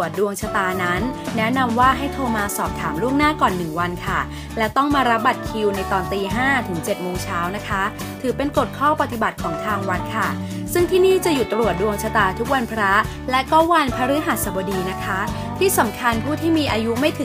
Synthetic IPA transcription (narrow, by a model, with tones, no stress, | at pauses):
ət̪̚du˧əŋt͡ɕʰa˧t̪aː˧na˦˥nːɛ˦˥na˧mwaː˥˩ɦa˥˩jt̪ʰoː˧maː˧sɔː˨˩p̚t̪ʰaː˩˦mlu˥˩əŋnaː˥˩kɔː˨˩nːɯ˨˩ŋwa˧nkʰa˥˩ | lɛ˦˥t̪ɔ˥˩ŋmaː˧ɾa˦˥p̚ba˨˩t̪̚kʰi˧wna˧jt̪ɔː˧nt̪iː˧ɦaː˥˩t̪ʰɯ˩˦ŋt͡ɕe˨˩t̪̚moː˧ŋt͡ɕʰaː˦˥wna˦˥kʰa˦˥ | t̪ʰɯː˩˦pe˧nko˨˩t̪̚kʰɔː˥˩pa˨˧t̪i˨˩ba˨˩t̪̚kʰɔː˩˦ŋt̪ʰaː˧ŋwa˦˥t̪̚kʰa˥˩ | sɯ˥˩ŋt̪ʰiː˥˩niː˥˩t͡ɕa˨˩ju˨˩t̪ːɾu˨˩ət̪̚du˧əŋt͡ɕʰa˧t̪aː˧t̪ʰu˦˥k̚wa˧npʰɾa˦˥ | lɛ˦˥kɔ˥˩wa˧npʰa˦˧˥ɾɯː˦˥ɦa˨˩t̪̚sa˨˧˩bɔː˧diː˧na˦˥kʰa˦˥ | t̪ʰiː˥˩sa˩˦mkʰa˧npʰuː˥˩t̪ʰiː˥˩miː˧ʔaː˧ju˦˥ma˥˩jt̪ʰɯ˨˩˦